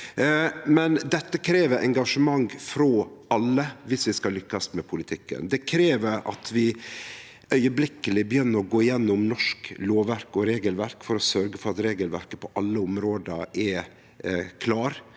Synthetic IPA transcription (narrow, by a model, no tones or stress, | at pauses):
mɛnd̪ɛt̪ːəkʰɾeːʋəɾʔɛ̰ŋɡɑʂəmɑŋfɾɔʔɑlːəʋɪsʋɪskɑlʏkːɑsmɛpʰʊlɪt̪ʰɪkːə̰nd̪ɛkʰɾeːʋəɾɑ̰t̪ʰʋɪ | ʔœʏəblɪkːəlɪbəjʏnːəɾɔɡoːɪjɛnːʊmnɔʂkloːʋæɾkɔɾeːɡəlʋæɾkfɔɾɔsœɾɡəfɔɾɑt̪ɾeːɡəlʋæ̰ɾkəpʰɔʔɑlːəʊmɾoːd̪ə̰ɛ | kʰlɑːɾ